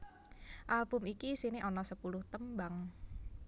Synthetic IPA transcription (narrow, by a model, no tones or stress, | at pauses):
ʔalbʊmikisinɪʔɔnɔsəpulʊht̪əmbaŋ